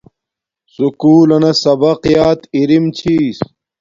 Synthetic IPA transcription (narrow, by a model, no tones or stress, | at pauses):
sukuːlɐnɐsɐbɐqjaːt̪iɾimt͡ɕʰiːs